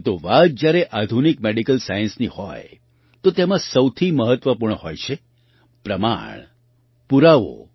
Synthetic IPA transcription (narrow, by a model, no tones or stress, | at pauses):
t̪oʋat̪̚d͡ʒjaɾeʔad̪ʱunik̚meɖikəlsajə̃nsnihɔ̰j | t̪ot̪emãsəwt̪ʰiməɦət̪ʋəpuɾɳəhojt͡ʃʰe | pɾəma̰ɳ̃ | puɾaʋo̰